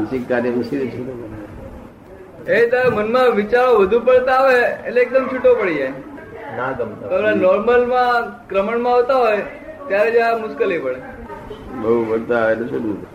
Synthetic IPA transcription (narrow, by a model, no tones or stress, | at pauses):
nsikt̪aɾemisiɾet͡ʃʰuʈo | et̪aɾmənmãʋɪt͡ʃaɾoʋəd̪ʱupəɭt̪aːʋeːleːk̚d̪əmt͡ʃʰuʈːopəɽid͡ʒajnat̪oonanɔɾməlmãkɾəməɳmãaʋt̪aɦoj | t̪jaɾed͡ʒjamʊskəlepəɭe | bəpəɭt̪aʋenət͡ʃʰuʈut̪